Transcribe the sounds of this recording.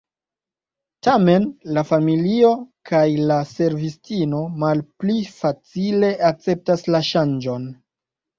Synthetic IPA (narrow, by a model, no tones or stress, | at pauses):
tame̞nlafamilio̞kʰajlase̞ɾvistino̞malplifat͡sile̞ʔak̚t͡se̞p̚taslaʃand͡ʒo̞n